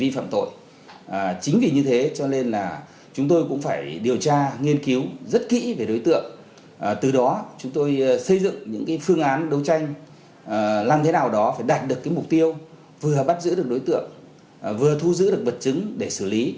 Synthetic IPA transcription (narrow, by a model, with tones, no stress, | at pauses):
vi˧fa̰ː˧˨mt̪o̰˧˨j | t͡ɕï˨˦ŋ̟vi˨˩ɲɨ˧t̪ʰe˨˦t͡ɕɔ˧ne˧nlaː˨˩ | t͡ɕʊ˨˦ŋ͡mt̪o˧jkʊ̰˧˥ŋ͡mfaː˧˩jɗi˨˩əwt͡ɕaː˧ŋi˧ənki˨˦wzə˦˥t̚kḭ˧˥ve˨˩ɗo˨˦jt̪ɨ̰˧˨əŋ˨˩ | t̪ɨ˨˩ɗɔ˨˦t͡ɕʊ˨˦ŋ͡mt̪o˧jsə˧jzɨ̰˧˨ŋɲɨ̰˧˥ŋkaː˨˦jfɨ˧əŋʔaː˨˦nɗə˨˦wt͡ɕa˧jŋ̟˨˩ | laː˨˩mt̪ʰe˨˦naː˨˩wɗɔ˨˦faː˧˩jɗaː˨˩t̚ɗɨ˨˩əkːaː˨˦jmʊ˨˩k͡p̚t̪i˧əw | vɨ˨˩əɓa˦˥t̚zɨ̰˧˥ɗɨ˨˩ək̚ɗo˨˦jt̪ɨ̰˧˨əŋ | vɨ˨˩ət̪ʰu˧zɨ̰˧˥ɗɨ˨˩ək̚ɓə˨˩t̚t͡ɕɨ˨˦ŋɗe˧˩sɨ˧˩li˨˦